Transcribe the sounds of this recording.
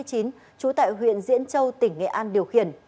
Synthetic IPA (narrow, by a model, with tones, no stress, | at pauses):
əjt͡ɕi˨˦n | t͡ɕu˨˦t̪a̰ː˧˨jɦwḭ˧˨ənzḭ˧˥ənt͡ɕə˧wt̪ï˧˩ŋ̟ːɛ̰˧˨ʔaː˧nɗi˨˩əwxḭ˧˨˩ən